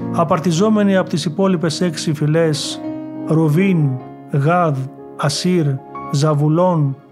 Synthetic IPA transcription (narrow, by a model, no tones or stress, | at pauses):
ɐpɐɾt̪izo̞me̞niɐpot̪isipo̞lipe̞se̞ksifile̞s | ɾovin | ɣɐð | ɐsiɾzɐvulo̞n